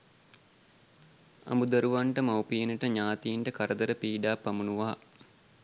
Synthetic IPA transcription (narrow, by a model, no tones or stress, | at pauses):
ɐ̰mud̪ɐɾuʋaɳʈəmawpijenəʈəɲaːt̪ijiɳʈəkaɾəd̪əɾəpiːɖaːpːɐmunuʋaɦa̰